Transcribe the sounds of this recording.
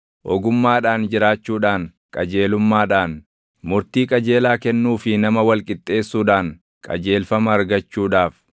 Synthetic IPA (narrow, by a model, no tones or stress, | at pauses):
ʔɔɡʊmːaːᶑaːnd͡ʒɪɾaːt͡ʃːuːᶑaːn | kʼɐd͡ʒeːlʊmːaːᶑaːn | mʊɾt̪iːkʼɐd͡ʒe̞ːlaːkɛnːuːfɪnɐmɐwɐlkʼɪt̪ʼːe̞ːsːuːᶑaːŋ | kʼɐ̰d͡ʒe̞ːlfɐmɐːɾɡɐt͡ʃːuːᶑaːf